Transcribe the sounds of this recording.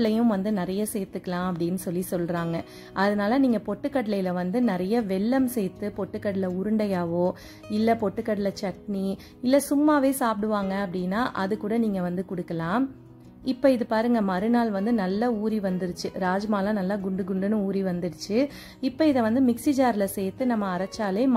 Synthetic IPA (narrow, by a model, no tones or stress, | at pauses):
lɐjʊ̃ʋɐnd̪ɯnɪɾɐjɐsɛjt̪ːɯkːɐlãːɐp̬ːɐɽɪnːɯsɔlːisɔlɾaːŋɡɐ | ʔɐðɐnaːlɐniːŋɡɐpɔʈːɯkːɐʈlɐjɪlɐʋɐnd̪ɯnɪɾɐjɐʋɛɭːɐmsɛjt̪ːɯpɔʈːɯkːɐɽɪlɐʊɾɯɳɖɐjaːʋoː | ɪlːɐpɔʈːɯkːɐɽɪlɐt͡ʃɐkni | ɪlːɐsʊmːaːʋeːsaːp̚ɽɯʋaːŋɡɐɐp̬ːɐɽɪnːaːʔɐðɯkːuːɽɐniːŋɡɐʋɐnd̪ɯkʊɽɯkːɐlãːm | ɪpːɐɪðɯpaːɾɯŋɡɐmɐɾɯnaːlʋɐnd̪ɯnɐlːɐuːɾiʋɐnd̪ɪɾɯt͡ʃːɯɾaːd͡ʒɐmaːlãːnɐlːaːɡʊɳɖɯɡʊɳɖɯnɯuːɾiʋɐnd̪ɯɽɯt͡ʃːɯ | ɪpːɐɪðɐʋɐnd̪ɯmɪksɪd͡ʒaːɾɪlɐsɛjt̪ːɯnɐmːɐːɾɐt͡ʃːaːleːm